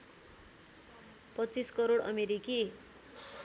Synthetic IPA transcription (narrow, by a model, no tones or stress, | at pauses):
pʌt͡siskʌɾoɽʌ̰meɾiki